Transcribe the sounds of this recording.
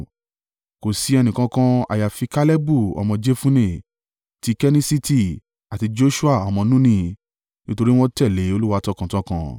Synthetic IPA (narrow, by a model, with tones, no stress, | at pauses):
ko˨si˨˧ɛ˧nĩ˨kã˧˦kã˧a̰˨ja˨fi˧ka˦lɛ˦bu˦˨ɔ̰˨mɔ̃˧d͡ʒe˦fũ˦nẽ˦˨ | ti˧˦kɛ˦nĩ˦si˦ti˦˨ | a˨ti˧d͡ʒo˦ʃu˦a˦˨ɔ˨mɔ̃˧nũ˦nĩ˦˨ | nĩ˦to˧ɾi˦w̃ɔ̃˦tɛ˦˨le˨˦o˧lu˦wa˧tɔ˦kã˨tɔ̃˦kã̰˧